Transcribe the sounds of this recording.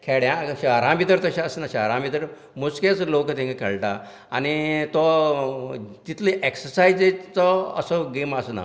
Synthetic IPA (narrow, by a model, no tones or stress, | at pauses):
kʰeɽjãɕaɾãmbit̪əɾt̪əɕãəsənaɕaaɾãmbit̪əɾ | musket͡slokt̪ĩŋekʰḛɭʈa̰ | anit̪ɔ | t̪it̪leʔeksəɾsajd͡zet͡sɔə̰səɡemasəna̰